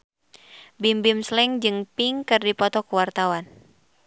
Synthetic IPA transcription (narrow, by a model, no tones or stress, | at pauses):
bimbimslɛŋd͡ʒɨŋpiŋkɨrdipɔt̪ɔkəwart̪awan